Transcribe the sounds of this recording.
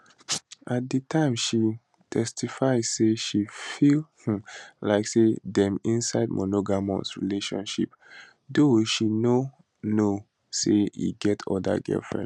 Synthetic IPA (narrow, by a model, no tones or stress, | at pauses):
ʔat̚dətʰãɪ̃mʃi | tʰɛstʰifaɪz̥seʃifilhlaɪksedɛ̃mĩnsaɪd̚mʔonoɡamɔ̰̃nsɹileʃɔ̰̃nʃḭp | doʃino | no | seḭɡɛtʰɔ̰da̰ɡɛ̰lfɹɛ̰̃n